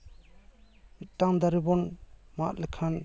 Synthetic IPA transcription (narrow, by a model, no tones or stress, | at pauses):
mitːaŋd̪aɾibɔnmaʔlɛkʰan